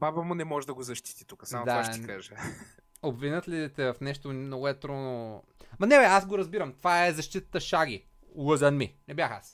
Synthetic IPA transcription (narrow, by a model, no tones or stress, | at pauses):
babəmʊnɛmɔʒɛd̪ɐɡozɐʃt̪i̥t̪i̥t̪ukə̥samot̪d̪avaʃt̪kaʒɛ | obvinət̪lid̪ɛt̪ɛvɐfnɛʃt̪onoɛt̪ɾono | mɐnɛvɛasɡoɾɐzbiɾɐmt̪ovaɛzɐʃt̪it̪ə̥t̪əʃaɡi | lˠəzɐnminɛbʲjaxa̰s